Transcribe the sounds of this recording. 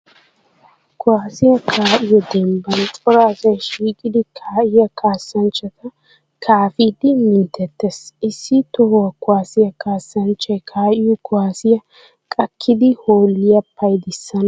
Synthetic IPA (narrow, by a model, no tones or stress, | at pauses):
kʊwaːsɪjɐkʰaːʔɪjɔd̪ɛmbɐnt͡sʼɔɾaːsɐjʃiːkʼɪd̪ɪkʰaːʔɪjɐkʰaːsːɐnt͡ʃːɐt̪ʰɐ | kʰaːfid̪ɪmɪnt̪ːɛt̪ːɛsɪsːɪt̪ɔhɔwɐkʊwaːsɪjɐkaːsːɐnt͡ʃːɐjkʰaːʔɪjɔkʊwaːsɪjɐ | kʼɐkʰːɪd̪ɪhoːlɪjɐpʰːɐjd̪ɪsːɐnɐ